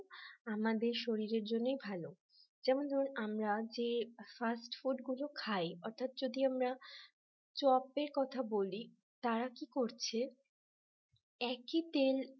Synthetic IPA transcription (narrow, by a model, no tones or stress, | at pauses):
amad̪eɾʃoɾiɾeɾd͡ʑonːojbʱalo | d͡ʑɛmond̪ʱɔɾnamɾad͡ʑefasʈfuɖɡulokʰajɔɾt̪ʰat̪̚d͡ʑod̪iamɾa | t͡ɕɔpeɾkɔt̪ʰaboli | t̪aɾakikoɾt͡ɕʰe | ɛkit̪el